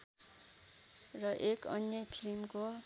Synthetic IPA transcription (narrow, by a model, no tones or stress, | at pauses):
rʌʔekʌ̰njʌpʰilmko